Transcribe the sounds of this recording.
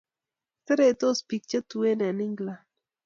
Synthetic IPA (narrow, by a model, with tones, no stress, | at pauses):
t̪e˦ɾe˨t̪o˦spi˨k̚t͡ʃa˦t̪u˨we˦ne˨nɪ˦ŋɡla˨